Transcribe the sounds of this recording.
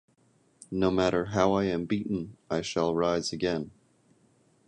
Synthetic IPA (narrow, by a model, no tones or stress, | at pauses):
noʊmæɾə˞ɦaʊaɪɨ̃mbiʔn̩aɪʃəlˠɹaɪz̥ɨɡɛ̃n